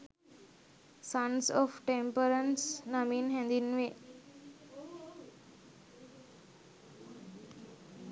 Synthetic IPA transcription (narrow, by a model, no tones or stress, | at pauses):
sʌ̃nsɔfʈẽmpəɾə̃nsnʌmĩnɦɛ̃nd̪inʋe